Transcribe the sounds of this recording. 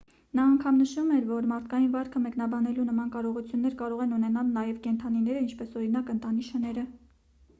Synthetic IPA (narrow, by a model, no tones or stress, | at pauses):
nɑːŋkʰɑmnəʃumɛɾvɔɾmɑɾt̪ʰkɑjinvɑɾkʰəmɛknɑbɑnɛlunəmɑnkɑɾɔʁut͡sʰjunːɛɾkɑɾɔʁɛnunɛnɑlnɑjɛvkɛnt̪ʰɑninɛɾəint͡ʃʰpɛsɔɾinɑkənt̪ɑniʃənɛɾə